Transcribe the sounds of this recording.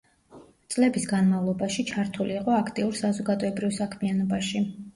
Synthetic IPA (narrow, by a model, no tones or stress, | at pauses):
t̪sʼlɛbisɡanmavlˠɔbaʃit͡ʃʰaɾt̪ʰuliːqʼɔakʰt̪ʼiuɾsazɔɡad̪ɔɛbɾivsakʰmianɔbaʃi